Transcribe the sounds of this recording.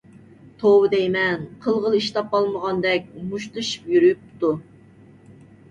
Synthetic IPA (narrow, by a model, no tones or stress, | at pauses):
t̪ʰowɨd̪ɛjmɛnqʰəlˠʁəlˠiʃt̪ɑp̚ːɑlˠməʁɑnd̪ɛk̚ʲmuʃt̪ɨʃɨ̥pjyɾyyp̚t̪u